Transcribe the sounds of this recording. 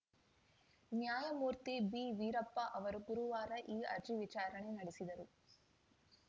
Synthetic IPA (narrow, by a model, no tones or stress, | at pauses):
njaːjɐmuːɾt̪ibiːʋiːɾɐpːɐʔɐʋɐɾuɡuɾuʋaːɾɐʔiːɐɾd͡ʒiʋit͡ʃaːɾɐɳenɐɽisid̪ɐɾu